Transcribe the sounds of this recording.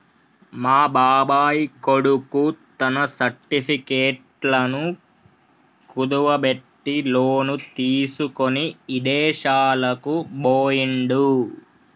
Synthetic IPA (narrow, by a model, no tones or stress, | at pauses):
maːbaːbaːjikoɽukut̪ɐnɐsɐɾʈipʰikeːʈlɐnu | kud̪uʋɐbeʈːiloːnut̪iːsukoniid̪ɛːʃaːlɐkuboːjiɳɖu